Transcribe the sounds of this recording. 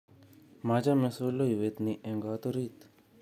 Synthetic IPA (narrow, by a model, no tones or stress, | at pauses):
mad͡ʒamesolːojuʋet̪niʔẽŋɡat̪oɾit̪